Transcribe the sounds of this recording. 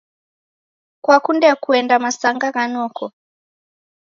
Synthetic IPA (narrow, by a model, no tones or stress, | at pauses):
kwakundɛkuɛndamasaŋɡaɣanɔkɔ